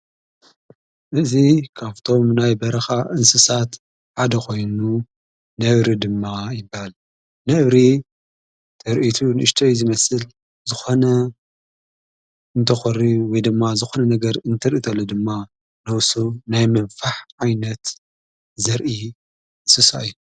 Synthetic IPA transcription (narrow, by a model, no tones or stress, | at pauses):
ʔɨzikʰaβt̪ʰo̞mnajbɐɾɐxaʔɨnsɨsat̪ | ħad̪ɐkʰo̞jnu | nɐβɾid̪ɨmːajɪbːahal | nɐβɾi | t̪ʰɐɾʔit̪ʰunɨɨʃt̪ʰɐjzɨmɐsɨl | zɨxo̞nɐ | ɨnt̪ʰɐxɨɾiwɔjd̪ɨmːazɨxonɐnɐɡɐɾɨnt̪ʰɐɾʔit̪ʰɐlːod̪ɨmːa | nɐwsunajmɐβfaħʕajnɐt̪ | zɐɾʔi | ʔɨnsɨsa̰ɨjːu